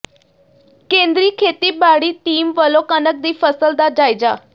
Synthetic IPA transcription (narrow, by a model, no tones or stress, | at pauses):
kẽːnd̪ɾiːkʰeːt̪iːbaɽiːʈiːmʋəlokənək̚d̪iːfʰəsəld̪aːd͡ʒaːjd͡ʒaː